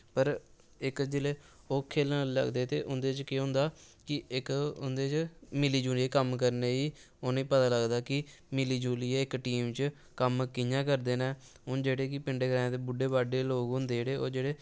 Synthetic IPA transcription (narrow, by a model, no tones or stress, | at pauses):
pəɾ | ɪkd͡ʒeːleː | oːkʰeːlãllə̰ɡd̪eːt̪eːʔʊnd̪eːt͡ʃkeɦʊ̃nd̪aː | kɪɪkʊ̰nd̪eːt͡ʃmɪliːd͡ʒuːliekəmkəɾneːiː | oːnĩːpət̪aːləɡd̪aːkɪ | mɪliːd͡ʒuːliːeːɪkʈiːmt͡ʃ | kəmkɪjãːkəɾd̪eːneː | ʊnd͡ʒeːɽeːk̬ɪpɪɳɖeːɡɾɛːnt̪eːbʊɖeːbaːɖeːloːɡʊ̃nd̪eːɽeːoːd͡ʒeːɽeː